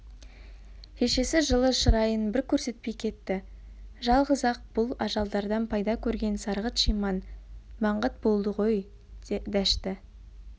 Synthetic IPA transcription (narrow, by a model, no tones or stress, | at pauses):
kʲʰe̞ʃe̞sɪʒəlˠəʃəɾɑjənbɪɾkʲʰɵɾse̞t̪̚pejkʲʰe̞t̪ːɪ | ʒɑlˠʁəzɑq̚b̥ʊlˠɑʒɑlˠd̪ɑɾd̪ɑnpʰɑjd̪ɑkʲʰɵɾɡʲe̞nsɑɾʁət̪ʃijmɑnmɑɴʁət̪̚bo̞lˠd̪əʁo̞j | d̪æʃt̪ɪ